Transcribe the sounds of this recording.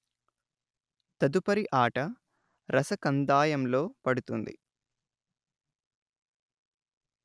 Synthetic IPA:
t̪ɐd̪upɐɾiʔaːʈɐ | ɾʔɐsɐkɐnd̪aːjɐmlo̞ːpɐɽut̪und̪ḭ

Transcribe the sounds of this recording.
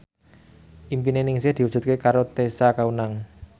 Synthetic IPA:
ʔimpinenɪŋsɪhd̪̥i̤wudd͡ʒ̥ṳt̪̚kekaɾot̪esakaunaŋ

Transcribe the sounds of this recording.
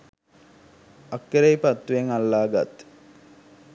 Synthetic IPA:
ɐkːeɾejpat̪ːueŋalːaːɡa̰t̪

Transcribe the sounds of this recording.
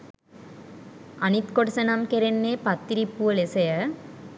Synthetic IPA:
ɐnit̪koʈsɐnɐmkeɾenːeːpɐt̪ːiɾipːuɐlesɐjɐ

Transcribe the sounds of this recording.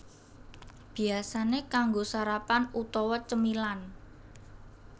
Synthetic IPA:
b̥i̤asanekaŋɡosaɾapanut̪ɔwɔt͡ʃəmilan

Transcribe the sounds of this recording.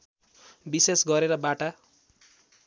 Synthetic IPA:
bisesɡʌɾeɾʌbaʈa

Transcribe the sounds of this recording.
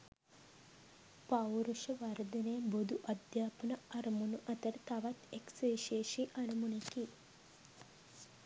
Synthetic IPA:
pawɾuʃɐʋaɾd̪ɐnejbod̪ʱuʔɐd̪jaːpənɐɐɾɐmunuʔɐt̪əɾt̪aʋat̪eksəiʃeːʃiːʔɐɾɐmuneki

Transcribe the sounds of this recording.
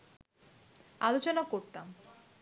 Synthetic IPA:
alot͡ɕonakoɾt̪am

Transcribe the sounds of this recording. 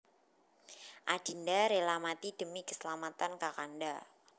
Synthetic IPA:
ʔad̥indaɾelamat̪id̥əmikə̥səlamat̪ankakanda

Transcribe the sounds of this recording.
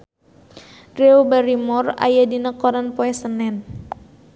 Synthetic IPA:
reobaɾimɔra̰jadinəkɔɾanpoɛsənɛn

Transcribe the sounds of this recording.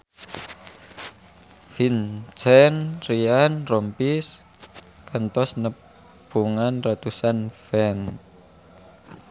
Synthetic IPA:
fint͡ʃɛnrianrɔmpis | kant̪ɔsnə | b̥uŋanrat̪usanfɛn

